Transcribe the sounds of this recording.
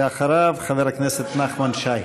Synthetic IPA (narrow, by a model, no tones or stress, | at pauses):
eaχaɾavχaveɾakneset̪naχmanʃaj